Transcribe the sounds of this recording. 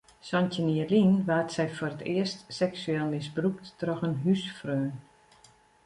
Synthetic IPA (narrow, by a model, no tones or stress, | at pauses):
sɔntəniəlinʋaːtsɛjforətɪəstsɛksyɛːlˠmɪsbruk̚tːrɔxənɦysfrøː